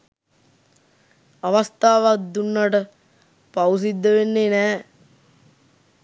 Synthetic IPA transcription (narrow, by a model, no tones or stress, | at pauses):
aʋast̪aːʋad̪unːaʈə | pawus̬id̪ːəʋenːeːnɛː